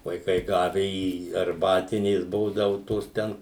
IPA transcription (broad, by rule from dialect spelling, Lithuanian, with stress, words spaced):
ʋɐɪˈkɐɪ ˈɡɑːʋʲɛ iː ɐrˈbɑːtʲɪnʲeːs ˈbuːdɐʋʊ ˈtoːs ˈtʲɛn